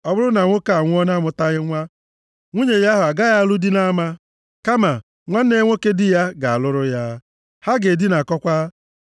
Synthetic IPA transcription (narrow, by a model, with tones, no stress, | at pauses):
ɔ˦bʊ˦ɾʊ˦na˨ŋʷo˦ka˨a˨ŋʷʊ˦ɔ˦na˦mʊ˨ta˦ɣɪ˦ŋʷa˦ | ŋʷu˦ɲe˨ja˦ɦʊ˨a˨ɡa˦ja˦lu˦di˦na˦ma˦ | ka˦ma˨ | ŋʷa˦n̩˦ne˦ŋʷo˦ke˦dɪ˦ja˦ɡa˨a˨lʊ˦ɾʊ˦ja˦ | ha˦ɡe˨di˦na˨kɔ˦kʷa˦